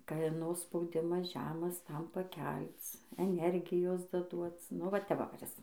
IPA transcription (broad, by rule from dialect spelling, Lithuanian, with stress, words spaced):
kɐˈnoː spɐʊˈdʲɪmɐs ˈʒʲæːmɐs ˈtɐm pɐˈkʲɛlˠt͡s ɛˈnʲɛrʲɡʲɪjoːs dɐˈduɔt͡s nʊ ˈʋɐ tʲɛ ˈʋɐ kʊˈrʲɪs